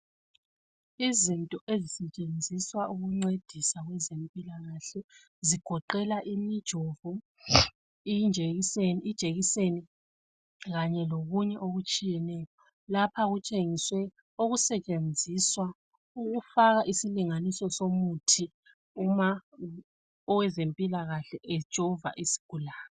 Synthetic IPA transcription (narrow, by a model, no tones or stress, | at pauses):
izintʼɔʔezisɛt͡ʃʼend͡zʱiswaʔuɣuŋ͡ǀed̥ʱisaɣwɛzempʼilaɣaɬɛ | ziɡ̥ʱɔǃɛlaʔimid̥ʒ̥ʱovu | id͡ʒʱeisenid̥ʒ̥ʱeɣiseni | ɣaɲɛloɣuɲɛʔoɣut͡ʃʼijɛnɛːjɔ | lapʰaɣut͡ʃʼeŋiswɛ | oɣusɛt͡ʃʼend͡zʱiswa | uɣufaɣaʔisiliŋanisɔsomutʰi | uma | ɔwɛzempʼilaɣaɬɛʔɛ̥ʒ̥ʱɔva̰ʔisi̥ɡ̥ʱulaːnɔ